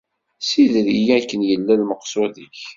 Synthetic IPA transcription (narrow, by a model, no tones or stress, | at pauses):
siðɾijækːənjəlːælməqːsʊðiç